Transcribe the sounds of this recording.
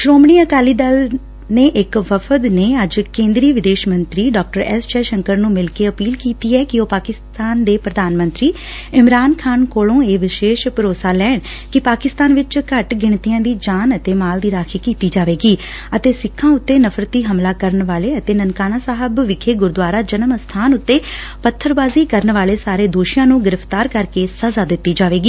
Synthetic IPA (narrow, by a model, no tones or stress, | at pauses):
ʃɾoːmɳiːəkaːliːd̪əl | neːʔɪkʋəfʰəd̪neːəd͡ʒkẽːnd̪ɾiːʋɪd̪eːʃmə̃nt̪ɾiːɖɔːk̚ʈəɾɛst͡ʃɛːʃəŋkəɾnũːmɪlkeːəpiːlkiːt̪iːɛːkɪoːpaːkɪst̪aːnd̪eːpɾəd̪aːnmə̃nt̪ɾiː | ɪmɾaːnkʰaːnkoːlõːeːʋɪʃeːʃpəɾoːsaːlɛːɳ | kɪpaːkɪst̪aːnʋɪt͡ʃkəʈɡɪɳ̃t̪ijãːd̪iːd͡ʒaːnət̪eːmaːld̪iːɾaːkʰeːkiːt̪iːd͡ʒaːʋeːɡiː | ət̪eːsɪkʰːãːʊt̪ːeːnəfʰɾət̪ːiːɦəmlaːkəɾənʋaːleːət̪eːnənkaːnaːsaːɦəbʋɪkʰeːɡʊɾd̪ʊaːɾaːd͡ʒənəmst̪ʰaːnʊt̪ːeːpət̪ʰːəɾbaːziːkəɾənʋaːleːsaːɾeːd̪oːʃɪjãːnũːɡɪɾəft̪aːɾkəɾkeːsəzaːd̪ɪt̪ːiːd͡ʒaːʋeːɡiː